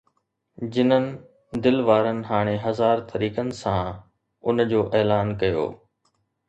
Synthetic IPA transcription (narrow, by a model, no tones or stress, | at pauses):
d͡ʑɪnənɪ̆ | d̪ɪlʋaːɾənɪ̆ɦaːɽ̃eɦɐzaːɾt̪ʰɐɾiːkənɪ̆sã | ʊnd͡ʑoːʔeːlaːnkɐjo̰ː